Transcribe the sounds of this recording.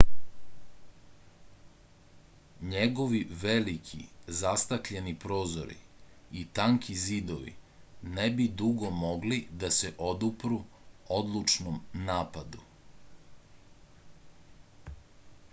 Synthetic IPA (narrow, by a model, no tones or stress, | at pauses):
ɲeɡo̞ʋiʋelikʰḭzast̪akʎenipɾo̞ːzo̰ɾḭ | it̪aŋkʰizid̪oʋḭ | nebid̪uɡo̞moɡlid̪aseʔod̪upɾuod̪lˠut͡ʃnomnaːpad̪u